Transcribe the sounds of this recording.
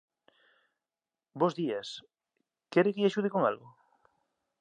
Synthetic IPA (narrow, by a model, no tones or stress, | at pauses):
bozðias | keɾekeʎaʃuð̞ikoŋa̰lɣo